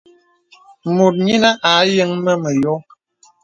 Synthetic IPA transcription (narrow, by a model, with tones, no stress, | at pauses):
mo˨t̚ɲi˦na˦ʔa˨˦jə˦ŋmə˦mə˨jɔ˦